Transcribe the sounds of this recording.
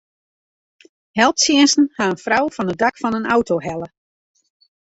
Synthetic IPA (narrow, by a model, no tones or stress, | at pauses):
hɛlˠtsjɪənsn̩haənfrawfɔnədakfɔnəna̰wtoɦɛlə